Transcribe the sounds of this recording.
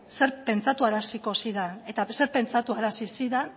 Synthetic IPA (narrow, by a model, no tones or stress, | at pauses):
se̞ɾpe̞nt͡sat̪uaɾasiko̞siðane̞t̪ase̞ɾpe̞nt͡sat̪uaɾasisiðan